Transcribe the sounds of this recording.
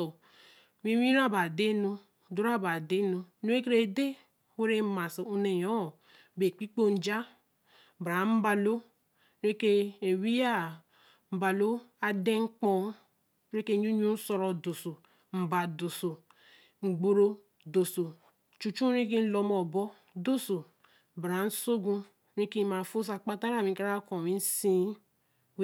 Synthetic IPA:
ɔ˨ | mi˦i˦ɾa˦ba˨de˦nu˦˨˦ | du˦ɾa˦˨ba˨de˦nu˦nu˨˦e˦kɾe˦˨de˦ | we˦ɾe˦ma˨so˨u˦ne˨jɔ˨˦˨ | be˨k͡pi˦k͡po˦n̩˦d͡ʒa˦˨ | bɾa˨˦m̩˦ba˨lo˦ | ɾe˦ke˦e˨wi˦ja˦ | m̩˨ba˨lo˦a˦de˦ŋ͡m̩˦k͡pɔ˦ | ɾe˦ke˦ɲu˦ɲu˦n̩˦sɔ˧ɾɔ˨do˨so˨ | m̩˨ba˨do˨so˨ | ŋ͡m̩˨ɡ͡bo˦ɾo˦ | do˨so˨ | t͡ʃu˨t͡ʃu˦i˦k̬i˦n̩˦lɔ˨mɔ˨bɔ˦ | do˦so˨ | bɾa˨˦n̩˦so˦ɡũ˦ | ɾi˦ki˦ma˨fo˦s̬a˨k͡pa˦ta˦ɾa˨mi˨ka˦ɾa˦kɔ˨mi˦n̩˦sĩ˦

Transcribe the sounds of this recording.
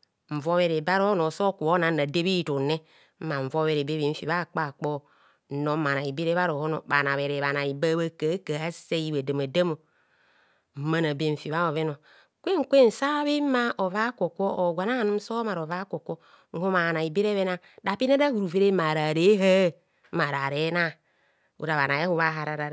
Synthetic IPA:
ɱ̩˨vo˦βe˨ɾe˨ba˦ɾo˦no˨so˦ku˨o˦na˨na˨de˦βi˦˨tu˨ne˦ | m̩˦ma˨ɱ̩˨vo˦βe˨ɾe˨be˦βi˨ɱ̩˨fi˨βa˦˨k͡pa˦˨k͡po˦˨˦ | no˨˦ma˨na˨i˨be˦ɾe˦βa˦ɾo˨ho˦no̰˨ba˨na˨βe˨ɾe˨βa˨na˨i˨ba˦βa˦ka˨˦ka˨a˦se˦ji˦βa˨da˨ma˨da˦mo˨ | m̩˦ma˦na˨be˦˨fi˨βa˦o˨βe˦no˨ | kʷe˦ŋ̩˨kʷe˦n̩˨sa˦βe˦ma˦ʔo˨va˦ko˨ko˦ʔo˨ɡʷa˨na˦a˨nu˦m̩˦so˦ma˨ɾo˨va˦ko˨ko˦ | ŋ̩˦ho˦ma˨a˨na˨i˨be˦ɾe˦βe˦na˦ | da˨pi˦na˦da˦hu˨ɾu˨ve˦ɾe˦ma˨ɾa˨ɾe˦ɦa˦ | a˨ɾa˨ɾe˨˦na˦ | ṵ˨ɾa˨βa˨na˨e˦hu˦βa˦ɦa˨ɾa˨ɾa˨˦

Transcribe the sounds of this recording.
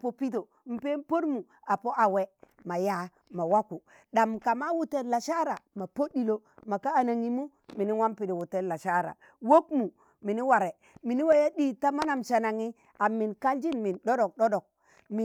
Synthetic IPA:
po˨pi˦t̬o˨ | m̩˨pe˦n˦po˦dmu˨ | a˨po˦ʔa˨we˦ | ma˨ja˦ | ma˨wa˦ku˨ | ɗa˨mka˨ma˦wu˦te˦la˨ʃa˦ɾa˨ma˨po˦ɗi˨lo˦ | ma˨kaː˦˨na˨ŋi˦mu˦ | mi˨ni˦wa˦mpi˨de˨wu˨tːe˦la˨ʃa˦ɾa̰˨ | wo˦kmu˨ | mi˨ni˦wa˨ɾe˨ | mi˨ni˦wa˦ja˦ɗi˦ta˦ma˦na˨mʃa˨na˨ŋi˦ | a˨mi˨nka˦ld͡ʒi˦nmi˨nɗo˦do˨k̚ɗo˦ɗo˨k̚ | mi˨

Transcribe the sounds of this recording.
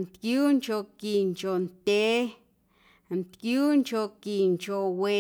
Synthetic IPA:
nt̪kju˦nt͡ʃo˧ki˨nt͡ʃo˨nt̪e˦ | nt̪kju˦nt͡ʃo˧ki˨nt͡ʃo˧we˨

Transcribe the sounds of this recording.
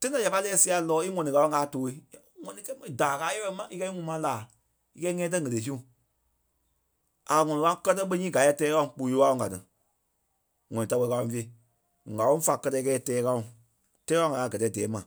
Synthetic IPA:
tẽ˦ã˨ja˨pa˧˦lɛː˦si˧a˧˨lɔː˨˦i˦ŋɔ̃˨nĩ˨ka˨˦wɔ̃˦kaː˨˦toː˨˦i˧˦˨ŋɔ̃˨nĩ˨kɛ˦˨˦daː˨kaː˨˦ɛ˦wɛ˦˧˦mã˨ʔi˦kɛ˧˦i˦ŋũ˦mã˧˦laː˨ | i˧kɛ˧˦i˦ŋɛ̃ː˦t̬ə˦˨ŋ˨ə˨le˨˦sũ˦˨ | a˨ŋɔ̃˨nĩ˨˧ã˦kɜ˦˧t̬ɜ˧˦ɓə˧˦ɲĩː˦ɡa˨˦ɛ˧˦˨tɛː˦wã˦˨k͡pu˧˨joː˧˦a˧˦õ˧˨ɡa˨tɨ˨ | ŋɔ̃˨nĩ˨ta˧wɛ˧ka˧wɔ̃˧˨fe˧˨i˨ | ɡa˨wɔ̃˦fa˨kɜ˧tɜ˧˦˧kɛː˧˦tɛː˨˦ka˧˦ũ˨ | tɛː˦ã˦ŋa˨˧aː˨˧˨ɡɜ˨tɛː˨˦dɛː˨˦mã˨

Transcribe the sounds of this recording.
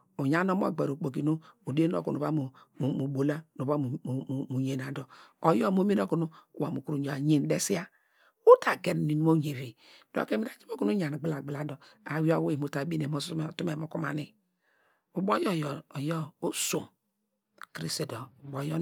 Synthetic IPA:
u˨ɲa˦no˦m˦o̰˨ɡ͡be˨ɾo˨k͡po˨k̬i˨nu˦u˨de˦n˦o̰˦ku˨nu˨a˦mu˨ | mu˨bo˨la˦nu˨ba˦m˨mu˨ɲe˨n˨a˨do˨o˨jo˦˨mo˦me˦no˦ku˨nu˦˨wa̰˨mu˨ku˨ɾu˨ɲo˨a˨ɲe˦n˦de˦si˦a˦ | u˦ta˨ɡe˨n˨ni˨˦mo˦ɲe˨ɾi˨ | do̰˦˨ke˦mi˦ɾa˨d͡ʒi˦bo˦ku˦nu˦ɲa˨n˨ɡ͡bla˨ɡ͡bla˨do˨a˨wi˦o˦we˦˨mu˨ta˨˦bi˦ne˨mo˦stu˦me˨mo˨ku˦ma˨ni˦ | u˨bo˦jo˦˨jjo˦o˦su˨m | kɾi˦si˨do˨bo˨˦jo˦

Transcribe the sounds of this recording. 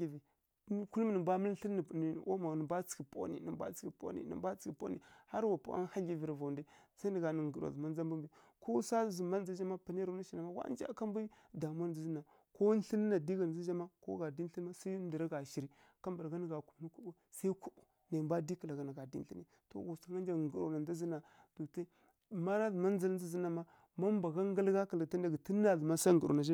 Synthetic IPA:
i˨vi˨˦ | ku˦lm˦nə˨mba˦mə˦lɬə˦n˦˨n˨o̰˦ma˨nə˨ba˦t͡si̥˨ki˨po̰˦nḭ˨ni˨ba̰˦t͡si̥˨ki˨po̰˦nḭ˨nḭ˨mba˦t͡si̥˨˦i˨po̰˦nḭ˨ha˦ɾwa˨pa̰˨˦a̰˦n˦ha˦ɮi˨vi˨ɾva˨ndi˦sa˦nə˨ɡa˨nə˨ŋ˨ɡu˨ɾo̰˨zu˨ma˦n˦d͡za˦mbu˦mbi˨ | ko˦sa˦zu˨ma˦n˦za˦d͡ʒa˦ma˦pa˨n˦e˦ɾa˨na˦ʃi˨na˨ma˦wa̰˦n˦d͡ʒa̰˦ka˦mbu˦ | da˨m˦a˦n˨zi˦zi˦na˨ | ko˦n˦ɬi˦nː˦a˨di˦ɡa˨n˨za˦d͡ʒa˦ma˦ko̰˦ɡa˨di˦n˦i˦n˦ma˦sa˦n˦di˨ɾa˦ɡa˨ʃi˨ɾi˨ | ka˦mba˨ɾɡa˦nə˨ɡa˨ku˨m˦nu˦ku˦bu˦ | sa˦i˦ku˦bu˨ | na˨mba˦di˦ki˨la˨ɡa˨na˨ɡa˨dḭ˦n˦ɬi˦ni˨to̰˨ɡo˨sa˨ŋa˦nd͡ʒa˨ŋɡu˨ɾo̰˨na˨nd͡za˦zi˦na˨ | d̥u˨ta˦˨ | ma˦na˦zə˨ma˦n˦zi˦lzi˦zi˦na˨ma˦ | ma˦mba˨ɡa˦ŋɡə˦lɡa˦ka˨lta˦da˨ɡi˨tə˦nː˦a˨zə˨ma˦sa˦ŋɡə˨ɾo̰˨na˨d͡ʒa˦

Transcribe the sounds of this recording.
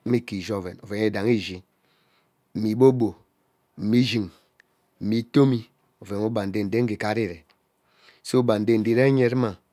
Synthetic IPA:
mi˦ki˨ʒo˦ve˨no˨ve˨ŋe˦da˨ŋi˦ʒi˨ | m̩˨mi˨bo˦bo˨ | m̩˨mi˦ʒi˨ŋ | m̩˨mi˨˦to˦mi˦ | o˨ve˨ŋu˦ba˨n̩˨de˦n̩˨de˦ŋ̩˦ɡi˨ka˦ɾi˦ɾe˨ | so˦u˦ba˨n̩˨de˦n̩˨di˦ɾe˦ɲe˦ɾma˨

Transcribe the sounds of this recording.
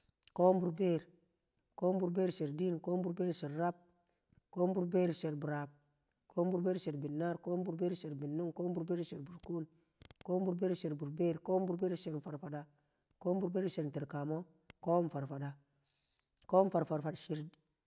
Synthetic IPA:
ko˦mbu˨ɾbeː˦ɾ | ko˦mbu˨ɾbe˦ɾsi˨ɾdi˦nko˦mbu˦ɾbe˦ɾsi˨ɾɾa˦b̚ | ko˦mbu˦ɾbe˦ɾse˨ɾbu˨ɾa˨b̚ | ko˦mbu˨ɾbe˦ɾsi˨ɾbi˨nːa˦ɾko˦mbu˨ɾbe˦ɾse˨ɾbi˨nːu˦ŋko˦mbu˨ɾbe˦ɾsi˨ɾbu˨ɾku˦n | ko˦mbu˨ɾbe˦ɾsi˨ɾbu˨ɾbe˦ɾko˦mbu˦ɾbe˦ɾsi˨ɾfa˨ɾfa˨da˨ | ko˦mbu˨ɾbeː˦ɾsi˨ɾti˨ɾka˨mo˦ | ko˦mfa˨ɾfa˨da˨ | ko˦m˦fa˨ɾfa˨ɾfa˨ʃi˨ɾ

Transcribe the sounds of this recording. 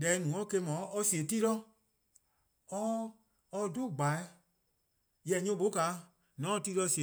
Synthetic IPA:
dɛ˨˦nũ˨˦ɔ˦ke˧˦mɔ̃˨˦ɔ˧si˨e˨ti˦lɔ˦ | ɔ˧ | ɔ˧do˦˨ɡ͡ba˨ɛ˦ | jɛ˨ɲũ˧˦ɓo˨˦ka˨˦ | nɔ̃˨˦˧ti˦lɔ˧˦si˨e˨

